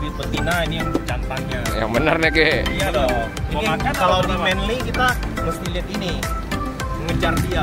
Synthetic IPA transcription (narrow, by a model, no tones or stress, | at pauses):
bip̪ət̪inainijaŋd͡ʒant̪aŋɲaja̰ŋbənərnɛɡɛijadɔ | inəmakakaladimɛnlikit̪aməst̪iliɛt̪ini | əŋəd͡ʒardia